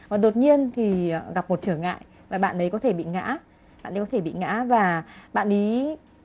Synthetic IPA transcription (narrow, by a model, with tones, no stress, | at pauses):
ʔɔː˨˩ɗo˨˩t̚ɲi˧ənt̪ʰi˨˩˨ɣa˨˩p̚mo˨˩t̚t͡ɕɨ˧˩əŋːa̰ː˧˨j | vaː˨˩ɓa̰ː˧˨nʔə˨˦jkɔ˨˦t̪ʰe˧˩ɓḭ˧˨ŋa̰ː˧˥ | ɓa̰ː˧˨nə˨˦kɔ˨˦t̪ʰe˧˩ɓḭ˧˨ŋa̰ː˧˥vaː˨˩ɓa̰ː˧˨nʔi˨˦